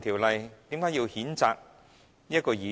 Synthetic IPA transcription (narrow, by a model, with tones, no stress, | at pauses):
t̪ʰi˨˩wlɐ˨jt̪iː˨˥mkaː˨˥ji˧whiː˨˥nt͡sa̰ː˨˧k̚ | jɐ˥t̚kɔː˧jiː˨˥